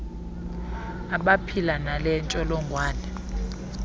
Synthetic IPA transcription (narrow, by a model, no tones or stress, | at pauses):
aɓapʰilanalɛnt͡ʃʼɔlɔŋɡʱwaːnɛ